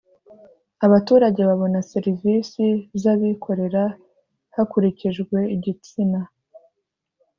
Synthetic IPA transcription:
aβatuːɾaɟe̞βaβo̞nase̞ɾivisizaβikʰo̞ɾe̞ɾa | hakuɾiciʒɡwe̞iɟit͡sina

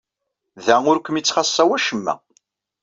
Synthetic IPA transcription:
ðæʊɾkʷəmit͡sːχɑsˤːæwæʃəmːæ̰

